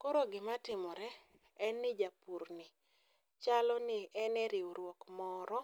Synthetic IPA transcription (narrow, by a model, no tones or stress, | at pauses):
kɔɾɔɡɪmatɪmɔɾɛ | ɛnːɪd͡ʒapuɾnɪ | t͡ʃalɔnɪɛnɛɾɪuɾwɔkmɔɾɔ